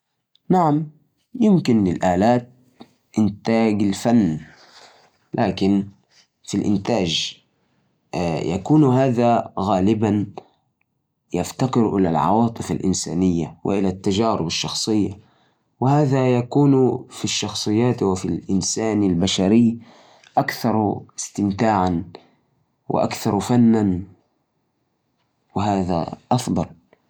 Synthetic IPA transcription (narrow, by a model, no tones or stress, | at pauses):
naʕam | jɪmkɪnɪlʔaːlaːt̪̚ | ʔɪnt̪aːɡɪlfanː | lʔaːkɪn | filʔɪ̰nt̪aːd͡ʒ | jʔa̰kuːnhaːðaɣaːlɪban | jaft̪aqɪɾʔɪla̰lʕɑ̰wɑːt̪ˤɨfa̰lʔɪnsa̰ːnɪjːawɪ̰ʔɪlat̪ːad͡ʒaːɾɪbɑʃːɑxsˤɨjːa | wɪhaːðajakuːnfiʃːɑxsˤɨjːaːt̪wɪfilʔɪnsaːnɪlbaʃaɾɪj | ʔakθɑɾˤɪst̪ɪmt̪aːʕan | wɪ̰ʔa̰kθɑɾˤfanːan | wɪɦaːða̰ʔɑfd̪ˤɑl